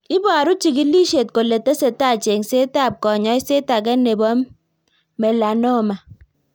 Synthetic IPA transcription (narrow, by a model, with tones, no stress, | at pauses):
i˦bɔ˨a˨ɾu˦t͡ʃi˨ki˦li˦ʃe˨t̚ko˨lːe˨te˦se˨ta˦˨t͡ʃe˨ŋ˨se˦ta˦˨p̚kɔ˨ɲɔ˦i˦se˦ta˨k̬e˦ne˨bɔ˦mː | e˨la˨no˦˨ma˨